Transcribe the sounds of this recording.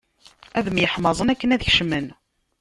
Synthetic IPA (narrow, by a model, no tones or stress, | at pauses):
æðəmjəħmɑzˤənækːənæðçʃmən